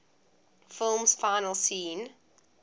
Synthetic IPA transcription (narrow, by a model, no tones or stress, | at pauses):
fɪlˠmsfaɪnəlˠsĩːn